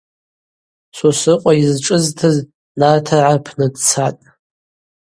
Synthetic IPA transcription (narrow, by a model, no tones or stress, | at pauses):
sosɨqʷʼaizʈ͡ʂʼɨztʰɨz | nartʰaʕapʰnɨdt͡sʰatʼ